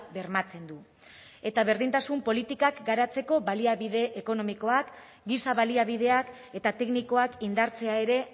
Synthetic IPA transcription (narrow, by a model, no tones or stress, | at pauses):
be̞ɾmat͡se̞nd̪u | e̞t̪aβe̞ɾðint̪asumpo̞lit̪ikakɡaɾat͡se̞ko̞βaliaβið̞e̞ʔːko̞no̞miko̞ak | ɡisaβaliaβ̞ið̞e̞ak | e̞t̪at̪e̞kniko̞akind̪aɾt͡se̞ae̞ɾe̞